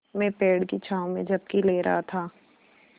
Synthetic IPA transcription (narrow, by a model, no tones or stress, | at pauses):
mɛ̃peːɽkit͡ʃʰaːõmẽd͡ʒɐb̚kileːɾɐ̰ɦat̪ʰaː